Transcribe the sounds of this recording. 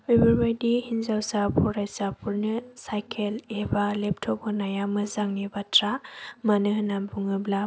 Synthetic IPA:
obuɾbajdihinzawsapʰuɾajsapʰuɾnɯsajkʰelebalep̚tʰɔbɯnajamɯzaŋnibatɾamanɯɦɯnambuŋɯbla

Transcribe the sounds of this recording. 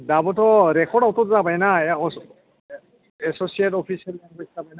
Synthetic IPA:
dabɔtɔɾɛkʰɔɖawtɔtzabajnaɛɔ | ɛsosietɔpʰisialaŋaszabajna

